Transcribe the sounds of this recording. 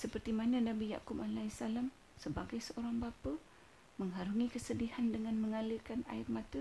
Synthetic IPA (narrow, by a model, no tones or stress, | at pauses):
səpərt̪imanə̃nãbija̰kupalaisalam | səbaɡajsəʔoɾaŋbapə | məŋɦaɾuŋĩkəsədihandəŋãnməŋaləkana̰ɪrmãt̪ə